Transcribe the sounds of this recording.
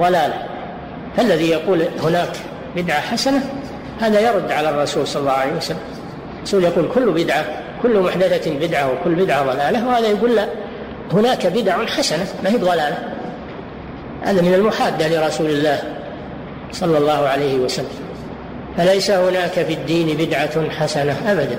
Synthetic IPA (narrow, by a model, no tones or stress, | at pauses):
ðˤɑlaːla | falːaðijɑquːlhʊnaːk | bɪd̪ʕaħasana | haːðajɑɾˤʊd̪ːʕalarˤːɑsuːlsˤɑlːɑːhʕaleijwasalːam | rˤːɑsuːljɑquːlkʊlːbɪd̪ʕa | kʊlːmʊħd̪aθabɪd̪ʕawɪkʊlːbɪd̪ʕaðˤɑlaːlawhaːðajaɡuːlːa | hʊnaːkabɪd̪ʕʊnħasanamahiːbðˤɑlaːla | ha̰ːðamɪnalmʊħaːd̪ːahlɪɾˤɑsuːlɪlːaːh | sˤɑlːɑlˤːɑːhʊʕalajhɪwasalːam | falajsahʊnaːkafid̪ːiːnbɪd̪ʕaħasanaʔabad̪a